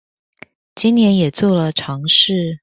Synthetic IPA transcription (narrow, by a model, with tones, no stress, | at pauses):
t͡ɕi˥njɛ˧˥njɛ˨˩t͡swɔ˥˩lə˨ʈ͡ʂʰɑ˧˥ŋʂɻ̩˥˩